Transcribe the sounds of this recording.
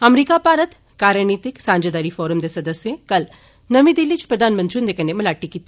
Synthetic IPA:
ɐmɾiːkapaːɾət̪ | kaːɾjəɳiːt̪ɪksãːnd͡ʒed̪aːɾifɔːɾəmd̪esɐd̪əsjẽkɐl | nɐʋĩd̪ɪlːit͡ʃpɾɐd̪ʱaːnmənt̪ɾijũnd̪ekʰənemɐlaːʈːikit̪i

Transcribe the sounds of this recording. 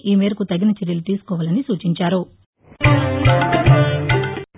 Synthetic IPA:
ʔiːmeːɾɐkut̪ɐɡinɐt͡ʃeɾjɐlut̪iːsu̥kɔːʋaːlɐnisuːt͡ʃiɲt͡ʃaːɾu

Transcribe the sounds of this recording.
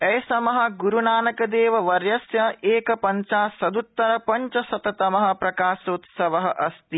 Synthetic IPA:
ɐjsɐmɐɦɐ̆ɡuɾunaːnɐkɐd̪eːʋɐʋɐɾjɐsjɐeːkɐpɐɲt͡ʃaːsɐd̪ut̪ːɐɾɐpɐɲt͡ʃɐsɐt̪ɐt̪ɐmɐɦɐ̆pɾɐkaːsɐut̪sɐʋɐɦɐʔɐst̪i

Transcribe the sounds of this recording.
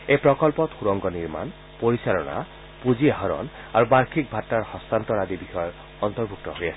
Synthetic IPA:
ejpɹɔkɔlpɔt̪xuɹɔŋɡɔniɹma̰n | poɹisalɔ̰na̰ | puziɦaɹɔ̰n | aɹubaɹkʰik̚bʱatːaɹhɔst̪ant̪ɔɹad̪ibixɔjɔ | ɔnt̪ɔɹbʱuk̚t̪ɔɦoja̰sɛ

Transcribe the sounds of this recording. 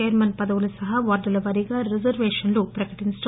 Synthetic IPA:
eːɾmɐnpɐd̪ɐʋulusɐɦɐʋɐɾɖ̪ɐlɐʋɐɾiɡɐɾizɐɾʋeːʂɐnlupɾɐkɐʈinsʈ

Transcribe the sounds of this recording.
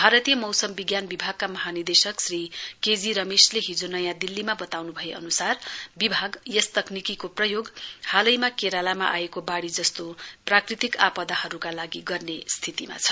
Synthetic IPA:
bʱaɾʌt̪ijʌmʌwsʌmbiɡjanbibʱaɡ̚kamʌɦanird̪esʌksriked͡ziɾʌmesleɦid͡zonʌjãd̪ilːimabʌt̪awnubʱʌjeʌ̰nusarbibʱaɡjʌst̪ʌknikikoprʌjoɡhalʌjmakeɾalama̰ʔaekobaɽid͡zʌst̪oprakrit̪ikapʌd̪ahʌɾukalaɡiɡʌrnest̪ʰit̪ima̰t͡sʰʌ̥

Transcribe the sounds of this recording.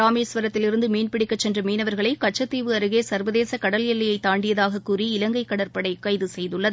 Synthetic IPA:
aːmeːsʋɐɾɐt̪ːɪlɪɾɯnd̪ɯmeːnpɪɽɪkːɐt͡ʃːɛndrɐmiːnɐʋɐɾɣɐɭɐɪkɐʈ̚t͡ʃːɐt̪ːiːʋɯɐɾɯɣeːsɐɾʋɐðeːsɐkɐɽɐljɛlːɐjɐɪt̪ːaːɳɖɪjɐðaːɣɐkːuːriɪlɐŋɡɐɪkːɐɽɐɾpɐɽɐɪkːɐɪðɯsɛjðɯɭːɐðɯ

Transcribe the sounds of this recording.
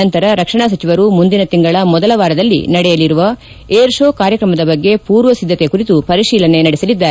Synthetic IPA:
ɐnt̪ɐɾɐɾɐkʂɐɳaːsɐt͡ʃiʋɐɾumund̪inɐt̪iŋɡɐɭɐmɔd̪ɐlɐʋaːɾɐd̪ɐlːḭnɐɽɛjɐliɾuʋɐ | eːɾʂoːkaːɾjɐkɾɐmɐd̪ɐbɐɡːe̞puːɾʋɐsid̪ʱːɐt̪ekuɾit̪upɐɾiʃiːlɐne̞nɐɽɛsɐlid̪ːaːɾe

